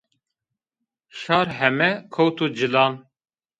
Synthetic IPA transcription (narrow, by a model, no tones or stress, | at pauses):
ʃɑːɾɦɛmɛkʰowt̪ʰuːd͡ʒɨlɑːn